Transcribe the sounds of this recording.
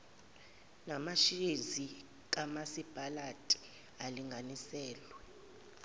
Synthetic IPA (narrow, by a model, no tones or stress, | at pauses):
namaʃiezi | k̬ʼamasib̥ʼʱalatʼi̥ | aliŋɡʱanisɛːlwɛ